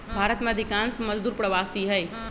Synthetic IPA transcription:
bʱaːɾət̪mẽɐd̪ʱɪkaːnsmɐzd̪uːɾpɾɐʋaːst̪iɦɛe

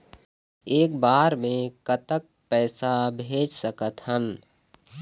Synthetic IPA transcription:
eːkbaːɾmẽkət̪ək̚pɛːsabʱeːd͡ʒsəkət̪ɦən

